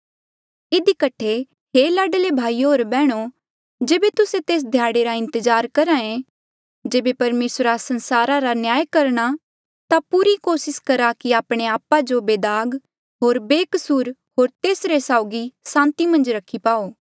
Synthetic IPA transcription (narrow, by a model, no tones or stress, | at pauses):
ɪd̪ikɐʈʰːe | ɦeːlaːɖəlebʱaːioɦoːɾbɛːɽ̃o | d͡ʒeːbet̪ʊsẽt̪eːs̬d̪ʱjaːɽeɾaɪ̃nt̪əd͡ʒaːɾkɐɾãẽ | d͡ʒeːbepɐɾmeːsɾasɐ̃nsaːɾaɾanjaːjkɐɾɽ̃a | t̪apuːɾikoːsɪskɐɾakiaːpɽ̃eaːpːad͡ʒobeːd̪aːɡ | ɦoːɾbeːkəsuːɾɦoːɾt̪eːsɾesaːʊɡisãːnt̪imɐ̃nd͡ʒɾɐkʰipaːoː